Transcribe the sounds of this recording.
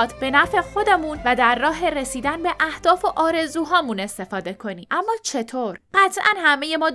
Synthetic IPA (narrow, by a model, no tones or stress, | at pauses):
d̪be̞næfe̞xo̞d̪emuːnvæd̪æɾːɒːɦe̞ɾesiːd̪ænbe̞ʔæhd̪̥ɒːfo̞ʔɒːɾe̞zuːɦɒːmune̞st̪e̞fɒːd̪e̞kʰo̞niːʔæmːɒːt͡ʃʰe̞t̪ʰoːɾɢæt̪ʰʔænhæme̞je̞mɒː